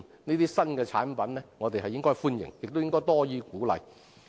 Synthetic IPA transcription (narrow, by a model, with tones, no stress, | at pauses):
niː˥t̪iː˥sɐ˥nkɛː˧t͡sʰa̰ː˨˥npɐ˨˥nlɛː˥ŋɔː˨˧t̪e˨jɦɐ˨jɪ˥ŋkɔː˥jfuː˥njɪ̰˨˩ŋjɪ˨k̚t̪o˥wjɪ˥ŋkɔː˥jt̪ɔː˥jiː˧kuː˨˥lɐ̰˨˧j